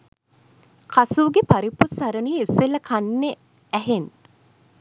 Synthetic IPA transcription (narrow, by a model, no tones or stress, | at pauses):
kasuːɡepaɾipusaɾəniːeseləkʰanːe | æɦen